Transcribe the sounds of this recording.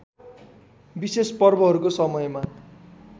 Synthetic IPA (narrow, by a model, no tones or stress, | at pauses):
bisespʌrbʌɦʌɾukosʌmʌjma